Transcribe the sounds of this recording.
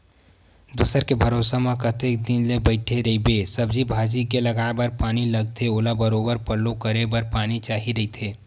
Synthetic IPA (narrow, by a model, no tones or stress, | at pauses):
d̪usəɾkebʱɐɾoːsamẽkət̪ek̚d̪ɪnlebəɪʈʰeɾɐibesɐbd͡ʒibʱaːd͡ʒikelɐɡaːbəɾpaːnilɐɡt̪ʰeoːlabɐɾoːbəɾpəlːokəɾebəɾpaːnit͡ʃaːɦiɾɐɦit̪ʰeː